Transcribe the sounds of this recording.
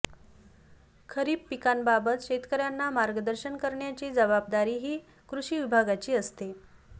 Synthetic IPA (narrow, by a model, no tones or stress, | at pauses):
kʰəɾiːpːikanbabət̪ɕet̪kəɾjanːamaɾɡəd̪əɾɕənkəɾɳjat͡ɕiːd͡zəbab̚d̪aɾiːɦiː | kɾuɕiːʋibʱaɡat͡ɕiːəst̪e